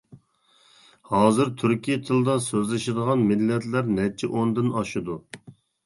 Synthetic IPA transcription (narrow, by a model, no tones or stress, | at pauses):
hɑːzɨɾt̪ʰyɾkʲʰijɛt̪ʰɨlˠd̪ɑsøzlɪʃɪd̪əʁɑnmɪlːɛt̪læɾnɛt͡ʃʰɛʔond̪ɪnɑʃud̪u